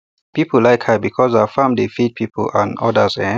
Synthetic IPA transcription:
pipʰllaɪkhəbikʰɔzafãmdefid̚pʰipʰə̰l̩ə̰̃nɔ̰dəzɛ̃

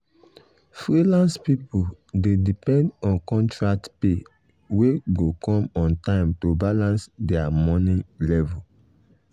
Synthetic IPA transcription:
fɹilãnspipu | dedipɛ̃ndɔ̃nkɔ̃ntɹak̚tpe | weɡokɔ̃mɔ̃ntãɪ̃mtobalãnsdɛamɔ̃nĩlɛvul

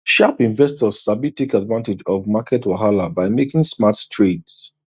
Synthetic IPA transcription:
ʃapĩɱvɛstɔz̥sabitːekadvãntɪd͡ʒɔvmakʰɛtwaɦalabaɪmekɪ̃ŋsmattʰɹeds

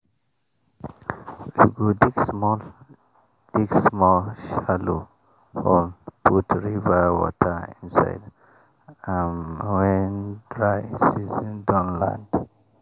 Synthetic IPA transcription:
uɡudikmɔ | d̥iksmɔlʃalo | hɔnpʰutʰɹivəwɔ̰tʰəĩnsa̰ɪd | ãnwɛndɹaɪsizĩndãnlã̰nd

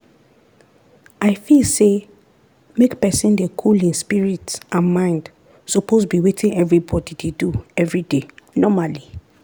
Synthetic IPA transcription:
aɪfilse | mekpɛsĩndekʰulĩnspiɹitsʔãnmãɪ̃nd | sɔposbiwetʰĩŋɛvɹibɔdideduɛvɹidenɔmali

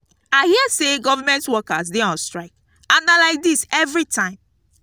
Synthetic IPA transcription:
aɪhiəseɡɔvamɛ̃ntwɔkazdeɔ̃nstɹaɪk̚ | ãnalaɪk̚disɛvɹitʰãɪ̃m

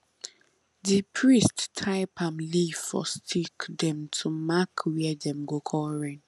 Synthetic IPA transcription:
dipʰɹisttʰːaɪpʰãmliffɔ̰stʰikdɛ̃mtʰumakʰwɛɛdɛ̃mɡokʰɔɹɛ̃n

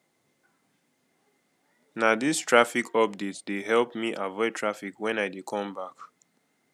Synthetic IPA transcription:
nadistʰɹafikʰɔp̚detsdeɦɛlˠpmiʔavɔɪd̚tʰɹafikwɛ̃naɪjdikʰɔ̃mbak

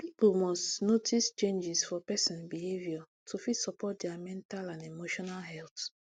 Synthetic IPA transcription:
pipolmɔstnotist͡ʃẽnd͡ʒisfɔpɛsĩnbihevjɔ | tʰufitsɔpɔt̚dɛamɛ̃ntalãnemoʃɔnalɦɛlt

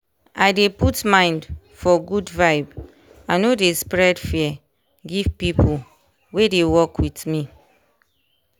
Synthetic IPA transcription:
ajdeputmãɪ̃nd | fɔɡudvaɪb | ãnodespɹɛdfiɛ | ɡivpipʰul | wedewɔkwitmi

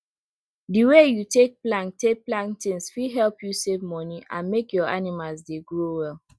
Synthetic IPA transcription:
diwejutek̚plãntek̚plãntĩnsfiɦɛlpjusevmɔniʔã̰nmekjɔanimalˠzdeɡɹowɛl

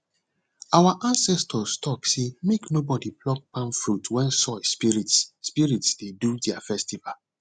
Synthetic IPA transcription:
awaʔãnsɛstʰɔstʰɔksemeknobɔdiblɔk̚pãnfɹutwɛ̃nsɔspiɹitsːpiɹitsdedudɛafɛstival

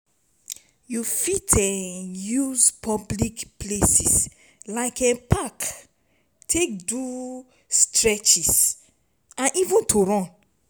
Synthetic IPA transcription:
jufitʰɛ̃juzpʰɔblikplesis | laɪkɛ̃pʰak | tʰek̚du | stɹɛt͡ʃis | ãnʔivũntʰuɹɔ̃n

